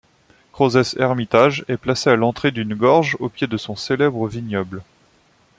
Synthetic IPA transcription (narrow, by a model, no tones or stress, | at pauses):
kχozɛsɛʁmit̪aʒɛplasealɑ̃t̪χed̪ynɡɔʁʒopjed̪əsɔ̃selɛbʁəviɲɔbl